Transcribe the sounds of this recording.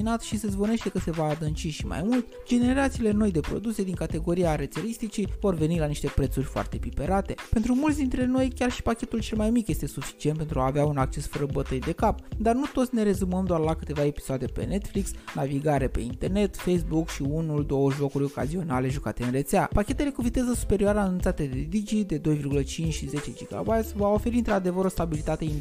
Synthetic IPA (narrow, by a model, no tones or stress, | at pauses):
inat̪ʃise̞zbo̞ne̞ʃt̪e̞kəse̞vaːd̪ɨnt͡ʃiʃima̰jmult̪ | d͡ʒe̞ne̞ɾat̪siːle̞no̞jd̪e̞pɾo̞̰d̪use̞d̪iŋkat̪e̞ɡo̞ɾijaɾet̪selist̪it͡ʃivo̞rve̞nilaniʃt̪e̞pɾe̞t̪surʲfoa̰rt̪e̞pipe̞ɾat̪e̞pe̞nt̪ɾumult̪sʲd̪int̪ɾe̞no̞jkʲarʃi̥pakʲe̞t̪ult͡ʃe̞lmajmikje̞st̪e̞sufi̥t͡ʃienpent̪ɾuaːveaunak̚t͡ʃe̞sfəɾəbət̪əjd̪e̞kapd̪arnut̪o̞t̪sʲne̞ɾe̞zuməmd̪oarlakɨt̪e̞vae̞pi̥soad̪e̞pe̞̰ne̞t̪fliksnaviɡaɾe̞pe̞̰int̪e̞rne̞t̪fejsbukʃiunuld̪o̞wəʒo̞kuɾʲo̞ka̰zio̞nale̞ʒukat̪eɨnre̞t̪seapakʲe̞t̪e̞le̞kuvit̪ezəsu̥pe̞ɾioaɾəːnunt̪sat̪e̞d̪ed̪id͡ʒid̪e̞d̪o̞jvirɡulət͡ʃint͡ʃʃize̞t͡ʃe̞d͡ʒiɡa̰bajt̪sʲvao̞fe̞ɾiɨnt̪ɾad̪e̞vəɾo̞st̪abilit̪at̪e̞in